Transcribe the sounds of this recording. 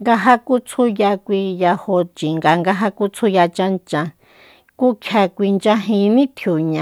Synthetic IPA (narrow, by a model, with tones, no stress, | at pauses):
ŋɡa˧ɦa˧ku˦t͡sʰu˦ja˧kʷi˧ja˧ho˧t͡ʃi˨ŋɡa˧ŋɡa˧ɦa˧ku˧t͡sʰu˦ja˧t͡ʃã˧nt͡ʃã˧ | ku˦kʰja˧kʷi˧nd͡ʒã˦˧ɦĩ˧mĩ˦t̪ʰju˨ɲã˧